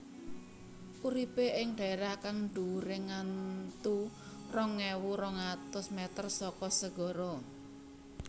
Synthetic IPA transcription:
ʔuɾipeʔɪŋɖ̥a̤eɾahkaŋɳɖuɾɪŋant̪u | rɔŋːɛwuɾɔŋat̪ʊsmɛt̪ərsɔkɔsəɡ̥ɔ̤ɾɔ

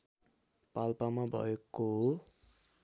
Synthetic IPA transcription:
palpamabʱʌ̰ekːoɦo

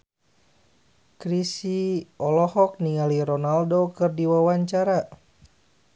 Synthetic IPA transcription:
kɾisiɔlɔhɔk̚niŋaliɾɔnaldokɨrdiwawaɲt͡ʃaɾa

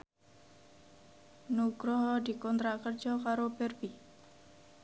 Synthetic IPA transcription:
nuɡɾɔɦd̪ikɔnt̪ɾakərd͡ʒɔkaɾobɛrbi

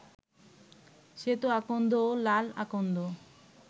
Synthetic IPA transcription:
ʃet̪oakond̪oolala̰kond̪o

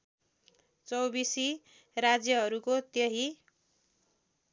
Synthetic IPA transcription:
t͡sʌwbisi | rad͡zjʌɦʌɾukot̪jʌɦi

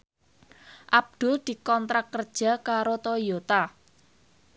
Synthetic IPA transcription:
ʔab̚d̪̥ʊ̤ld̪̥i̤kɔnt̪ɾakːərd̥ʒ̥a̤kaɾot̪ojot̪a

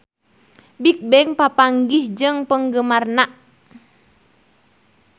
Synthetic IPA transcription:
bik̚bɛŋpapaŋɡihd͡ʒɨŋpəŋɡəmarnaʔ

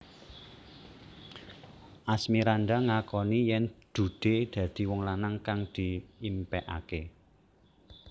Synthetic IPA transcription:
ʔasmiɾand̪aŋakɔnijɛnd̪̥ṳd̪̥ed̪̥ä̤d̪̥i̤wɔŋlanaŋkaŋd̪̥i̤impɛʔa̰ke

